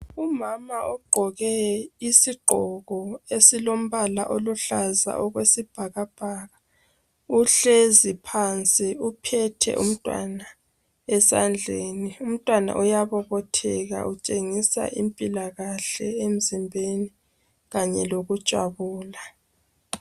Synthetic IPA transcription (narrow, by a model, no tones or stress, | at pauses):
umamaʔɔɡ͡ǃʱɔɣɛisiɡ͡ǃʱɔɣɔesilom̩βalaʔoluɬaza̰ʔɔɣwesib̥ʱaɣab̥ʱaːɣa | uɬezipʰant͡sʼiupʰɛtʰɛ̰ʔṵm̩tʼwa̰na | ɛsand͡ɮʱeːnium̩tʼwana̰ʔɔjaβɔβɔtʰɛɣa̰ʔut͡ʃʼeŋisa̰ʔimpʼilaɣaɬɛem̩zimbʱeni | ɣaɲɛloɣud̥ʒ̥ʼʱwa̰βuːla